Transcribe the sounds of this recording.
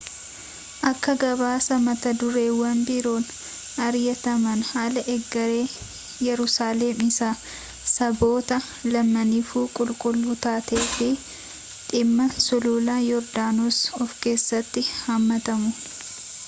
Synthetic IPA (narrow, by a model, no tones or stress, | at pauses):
ʔɐkːɐɡɐβaːsɐmɐt̪ɐd̪ʊɾe̞ːwɐnbɪɾo̞ːn | ɐɾjɐt̪ɐmɐnhaːlɐʔɛɡːɐɾe̞ː | jɛɾʊsaːleːmɪsaː | sɐbo̞ːt̪ɐ | lɐmːɐnɪfuːkʼʊlkʼʊlːuːt̪aːt̪eːfɪ | ᶑ̪ʼɪmːɐsʊluːlaːjɔɾd̪aːnosɔfke̞ːsːɐt̪ːɪhɐmːɐt̪ɐmʊ